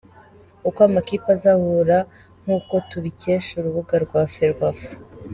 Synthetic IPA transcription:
ukwamakipazahuɾa | ŋ̥uːko̞tuβice̞ʃuɾuβuɡaɾɡwaːfeɾɡwaf

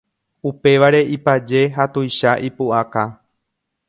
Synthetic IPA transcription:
upe̞ʋaɾe̞ʔipad͡ʒe̞ɦat̪ujʃaʔipuʔaka

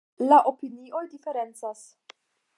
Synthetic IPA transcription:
laʔopinio̞jdife̞ɾe̞nt͡sas

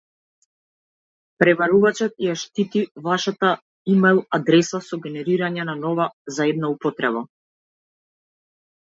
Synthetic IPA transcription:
pɾɛvaɾuvat͡ʃɔt̪̚jaʃt̪it̪ivaʃat̪a | imɛlˠad̪ɾɛsasɔɡɛnɛɾiɾaɲɛnanɔvazaɛd̪naupɔt̪ɾɛβa

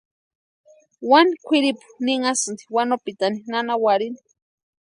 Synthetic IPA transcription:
wanikʷʰiɾipu̥niŋasɨnd̪iwanopit̪aninanawaɾini̥

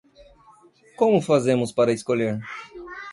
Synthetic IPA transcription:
kõmʊfazẽmʊspaɾɐɪskoʎeɾ

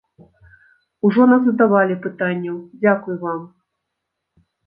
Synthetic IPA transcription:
uʐɔnazɐd̪avalʲipɨt̪anʲːɐwd͡zʲakujvam

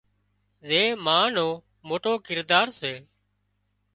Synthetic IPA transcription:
zeːmaːnoː | moːʈoːkɪɾd̪aːɾseː

